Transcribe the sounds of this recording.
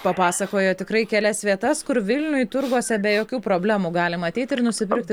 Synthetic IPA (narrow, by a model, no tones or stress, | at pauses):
pɐpɑːsɐkoːjoːt̪ʲɪkɾɐɪkʲɛlʲɛsʋʲiɛt̪ɐskʊɾʋʲɪlʲnʲʊjt̪ʊɾɡuɔsʲɛbʲɛjoːkʲuːpɾoːbʲlʲæːmuːɡɑːlʲɪmɐːt̪ʲɛɪt̪ʲɪɾnʊsʲɪpʲɪɾkt̪ʲɪ